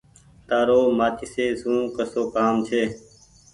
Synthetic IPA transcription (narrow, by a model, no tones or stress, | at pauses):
t̪aːɾoːmaːt͡ʃʰiːseːsũːkəsoːkaːmt͡ʃʰeː